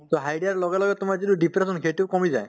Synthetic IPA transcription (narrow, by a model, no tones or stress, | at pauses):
t̪oɦajɖijaɹlɔɡɛlɔɡɛtʊmaɹziduɖipʰɾesɔnkʰetukɔmizaj